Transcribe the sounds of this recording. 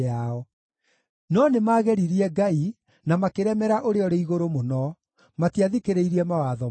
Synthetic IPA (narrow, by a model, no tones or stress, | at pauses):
aɔ | nɔnemaɣɛɾiɾiɛɡai | namakeɾɛmɛɾaʔoɾeɔɾeiɣoɾomonɔ | matiaðikeɾeiɾiɛmawaðɔ